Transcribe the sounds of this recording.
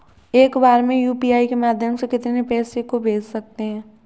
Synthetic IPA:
eːkbaːɾmẽjuːpiːaːikemaːd̪ʱjəmsekɪt̪nepɛːsekobeːd͡ʒsɐk̚t̪eɦɛ̃ː

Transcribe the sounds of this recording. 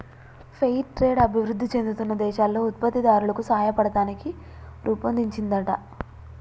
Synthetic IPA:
pʰejʈɾe̞ːɖɐbʱiʋɾud̪ːit͡ʃe̞nd̪ut̪unːɐd̪ɛːʃaːlːo̞ːut̪̚pɐt̪ːid̪aːɾulɐkusɐɦajɐpɐɽɐt̪aːniki | ɾʔuːpɐnd̪iɲt͡ʃind̪ɐʈɐ

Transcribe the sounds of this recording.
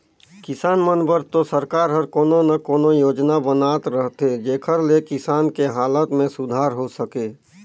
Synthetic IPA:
kɪsaːnmənbəɾt̪osəɾkaːɾɦəɾkoːnonəkoːnojoːd͡ʒnabənaːt̪ɾəɦt̪ed͡ʒeːkʰəɾlekɪsaːnkeɦaːlət̪mẽsʊd̪ʱaːɾɦosəkeː

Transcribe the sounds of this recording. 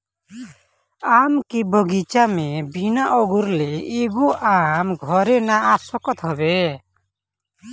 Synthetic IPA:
amkibɔɡit͡ʃamɛbinaʔɔɡuɾleiɡuʔamɡʱɔɾɛnaːsɔkɔt̪ɦɔbɛ

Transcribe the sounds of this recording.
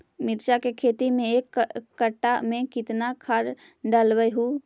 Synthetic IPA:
mɪɾt͡ʃakekʰeːt̪imẽeːkːəʈːamẽkɪt̪nakʰəɾ | ɖəlʋəjɦu

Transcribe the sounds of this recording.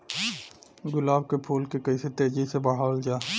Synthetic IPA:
ɡʊlaːb̚kepʰuːlkekəɪset̪eːd͡ʒisebəɽ̤aːld͡ʒaː

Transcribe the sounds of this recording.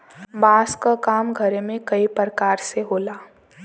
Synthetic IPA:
baːskakaːmɡʱəɾemẽkəipɾəkaːɾseɦoːlaː

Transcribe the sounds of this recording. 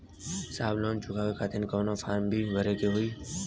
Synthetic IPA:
saːblõːnt͡ʃʊkʰaːkekʰaːt̪ʰɪnkoːnafaːɾmbʱiʋəɾeːkeːɦʊiː

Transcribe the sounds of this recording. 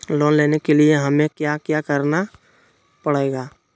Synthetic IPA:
loːnleːnekelieɦɐmẽkjakjakəɾna | pəɽeːɡaː

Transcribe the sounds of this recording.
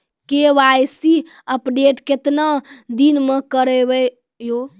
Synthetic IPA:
keʋajsi | əpɖeʈket̪nad̪inmekəɾɛbɛ | jo

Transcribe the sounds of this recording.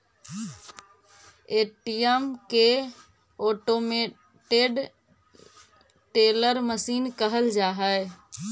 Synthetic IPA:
eːʈijəmke | oːʈome | ʈeɖ | ʈeːləɾməsiːnkəɦəld͡ʒaːɦəe

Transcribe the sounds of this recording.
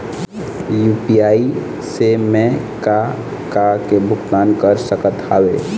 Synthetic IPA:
jupijai | semẽ | ka | kakebʱukt̪aːnkəɾsəkət̪a̰ːwe

